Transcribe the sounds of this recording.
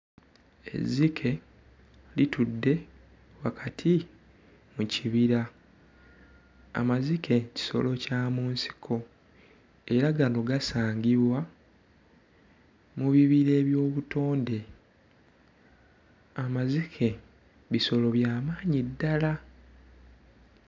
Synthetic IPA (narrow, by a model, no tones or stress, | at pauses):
e̞̰zikʰe̞ | litudːe̞ | wakʰatʰi | muciβiɾa | a̰mazike̞ci̥so̞̰lo̞caːmuːnsi̥kʰo̞ | e̞ɾaɡano̞ɡasaːɲɡiβwa | muβiβiɾe̞ːβjo̞ːβuto̞ːnde̞ | amazikʰe̞ | βiso̞lo̞βjaːmaːɲidːala